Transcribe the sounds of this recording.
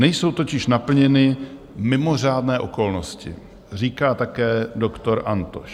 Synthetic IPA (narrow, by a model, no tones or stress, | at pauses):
nɛjso̞wt̪o̞cɪʃnapl̩ɲɛnɪ | mɪmo̞r̝aːdnɛːʔo̞ko̞lnoscɪ̰ | riːkaːt̪akɛːdo̞kt̪oɾʔant̪oʃ